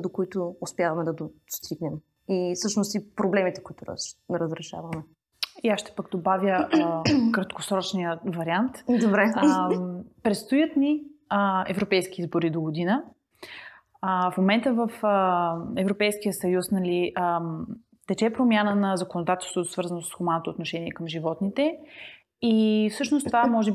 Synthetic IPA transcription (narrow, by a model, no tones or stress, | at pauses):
d̪okoit̪ʊːspjavɐmɛd̪ɐd̪ost̪ʰiɡnɛm | isɤʃnost̪ipɾoblɛmit̪ɛ̥koit̪ʊɾ̰nɛɾəzɾɛʃa̰vəmɛ | iaʃt̪ɛ̥pəɡd̪obavjə | kɾɐt̪ko̥sɾɔt͡ʃnijəvɐɾiant̪d̪obɾɛ | pɾɛt̪st̪ojət̪niəɛ̰vɾopɛjsk̟iizboɾid̪oɡod̪inə | əfmomɛnt̪əvəfəɛvɾopɛjskijəsɐjusnɐliʔə | t̪ɛt͡ʃɛpɾomʲjanənɐzɐkonod̪at̪ɛlˠst̪vot̪osvɤɾzənosə̥sxʊmanot̪oːt̪noʃɛniɛkɐmʒivɔt̪nit̪ɛ | ifsɤʃnost̪ovamɔʒɛb